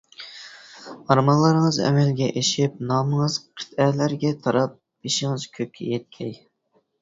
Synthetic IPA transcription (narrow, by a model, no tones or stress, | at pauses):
ɑɾmɑnlˠɨɾəŋəzɛ̰mɛlɡʲɛʔeʃɪp̚nɑːməŋəz̥qʰə̥t̪ɛlæɾɡʲɛt̪ʰɑɾɑp̚ | iʃɪŋɨzkʲʰøp̚ʲkʲʰɛ̰jɛt̪̚kʲʰɛj